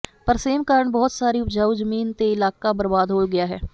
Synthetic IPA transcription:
pəɾseːmkaːɾəɳbɔːt̪saːɾiʊpd͡ʒaːuzəmiːnt̪eɪlaːkabəɾbaːd̪ɦoːlɡɪjaːɦɛ̰ː

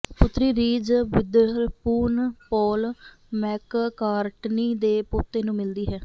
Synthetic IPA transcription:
pʊt̪ɾiːɾiːd͡ʒʋɪd̪əɾpuːnpɔːl | mɛːkkaːɾʈniːd̪eːpʊt̪ːeːnũːmɪld̪iːɦɛː

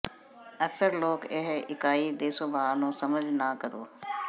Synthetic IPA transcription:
əksəɾloːkeɦɪkaːiːd̪eːsoːbaːnõːsəməd͡ʒʱnaːkəɾo̰ː

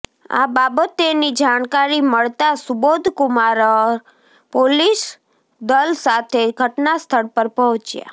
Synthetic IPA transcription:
a̰babət̪enid͡ʒaɳkaɾiməɭt̪asubod̪ʱkʊmaɾəɾ | polis | d̪əlsat̪ʰeɡʱəʈnast̪ʰəɽpəɾpɔɦɔ̃t͡ʃja̰

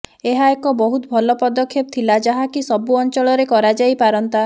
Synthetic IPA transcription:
eɦaekɔbɔɦut̪ɔbʱɔlɔpɔd̪ɔkʰːep̚t̪ʰilad͡ʒaɦakisɔbuɔnt͡ʃɔɭɔɾekɔɾad͡ʒajpaɾɔnt̪a

